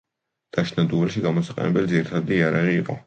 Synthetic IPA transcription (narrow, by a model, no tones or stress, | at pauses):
d̪̥aʃnad̪uvɛlʃiɡamɔsaqʼɛ̰nɛbɛlid̪ziɾit̪ʰad̪iːaɾaʁiːqʼɔ̰